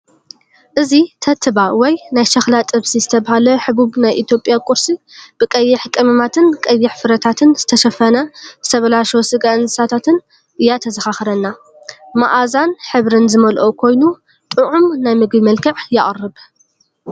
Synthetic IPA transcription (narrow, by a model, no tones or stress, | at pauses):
ʔɨzit̪ʰɐt̪ʰɨbawɔjnajʃɐxlat̪ʼɨβsizɨt̪ʰɐβahalɐħɨβuβnajʔit̪ʰjo̞pʼːjakʼʊɾsib̥ɨkʼɐjːɪħkʼɨmɨmat̪ʰɨnkʼɐjːɪħfɨɾɐt̪ʰat̪ʰɨnz̥ɨt̪ʰɐʃɐfɐnɐzɨt̪ʰɐβɐlaʃosɨɡansat̪ʰat̪ʰɨn | ʔɨjːat̪ʰɐzɐxaxɾɐnːa | ma̰ʔazanħɨβɾɨnzɨmɐlʔokʰo̞jnu | t̪ʼɨʕumnajmɨɡbimɐlkʰɐʕjɪʔʼrːɨb